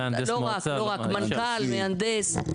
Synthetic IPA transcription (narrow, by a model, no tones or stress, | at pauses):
loːɣakloɣakmɐnɡʰaːlmẽɐ̃nd̪eːs